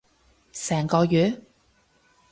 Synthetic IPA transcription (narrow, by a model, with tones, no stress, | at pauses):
sɛː˨˩ŋkɔː˧jyː˨˥